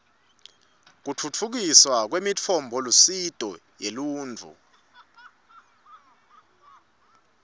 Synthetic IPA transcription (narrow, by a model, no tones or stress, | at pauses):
k̬ut͡fʰut͡fʰuk̬iswak̬wemit͡fʰɔmbʱɔlusid̥ʱɔjeluːnd͡vʱṵ